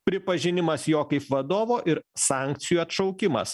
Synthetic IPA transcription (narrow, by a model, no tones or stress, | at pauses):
pʲɾʲɪpɐʒʲɪnʲɪmɐsjoːkɐɪpʋɐd̪oːʋoːʔɪɾsɑˑŋʲk̚t̪sʲɪjuːɐt̪ʃɒʊkʲɪmɐ̰s